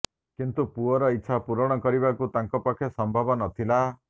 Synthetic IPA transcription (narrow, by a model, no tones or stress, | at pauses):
kint̪upuɔɾɔitːʃʰapuɾɔɽ̃ɔkɔɾibakut̪aŋkɔpakʰjɔsɔmbʱabɔnɔt̪ʰila